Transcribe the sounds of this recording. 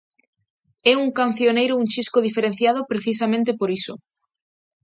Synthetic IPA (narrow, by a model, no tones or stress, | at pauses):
ɛuŋkan̟θjonejɾʊuŋt͡ʃiskoðifeɾẽn̟θjað̞opɾeθis̬amẽnt̪̬epoɾiso̰